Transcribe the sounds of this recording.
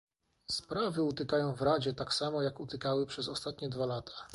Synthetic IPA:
spɾavɘut̪ɘkajɔ̃w̃vɾad͡ʑɛt̪aksamɔjakut̪ɘkawɘpʂɛzɔst̪at̪ɲɛd̪valat̪ʰḁ

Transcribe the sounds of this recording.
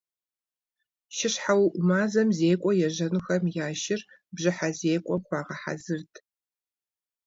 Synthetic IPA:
ʃɪɕħawʔʷʊmaːzɐmzeːkʷʼɔjɛʑɐnɨxɐmjaːʃɪr | bʑɪħazeːkʷʼɔχʷɑːʁɐħa̰zɨrtʰ

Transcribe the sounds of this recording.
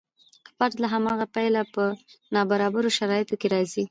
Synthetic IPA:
paʈ̪laɦamɑɣapajlapənɑbaɾɑbaɾoʃaɾɑjɪt̪okeɾɑzi

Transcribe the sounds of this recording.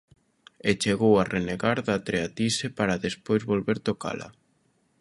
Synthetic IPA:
et͡ʃeɣowarʔeneɣaɾðat̪ɾeat̪isepaɾaðespojzβolβeɾt̪oka̰la̰

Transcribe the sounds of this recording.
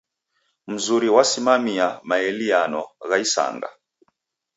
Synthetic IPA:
m̩zuɾiwasimamiamaɛlianɔɣaisa̰ŋɡa̰

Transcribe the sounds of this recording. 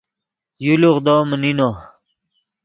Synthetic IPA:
juluʁd̪oːmənino

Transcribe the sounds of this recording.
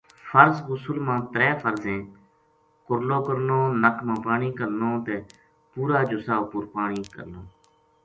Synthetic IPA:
fʰəɾsɣʊsʊlmãːt̪ɾɛːpʰəɾzẽː | kʊɾloːkəɾnoːnəkmãːpaːɳiːkəɾnoːt̪eː | puːɾaːd͡ʒʊsaːʊpʊɾpaːɳiːkə̰ɾnoː

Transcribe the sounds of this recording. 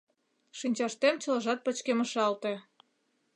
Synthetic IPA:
ʃinʲt͡ɕɑʃt̪emt͡ɕɤ̆ləʒɑt̪̚pə̆t͡ɕkemə̆ʃɑlt̪ĕ

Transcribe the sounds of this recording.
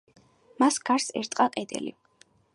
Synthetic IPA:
masɡaɾsɛ̰ɾt̪ʼqʼaqʼɛd̪ɛ̰lḭ

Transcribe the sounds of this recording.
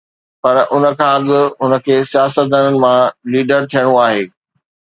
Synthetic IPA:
pɐɾʔʊnə̆kʰãːɐɠʊ̆ɦʊnə̆kʰeːsijaːsət̪̚d̪aːnənɪ̆mãliːɖəɾt̪ʰijəɽ̃ũaːɦeː

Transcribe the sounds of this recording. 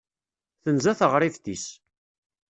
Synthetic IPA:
θənzæθəʁɾˤifθis

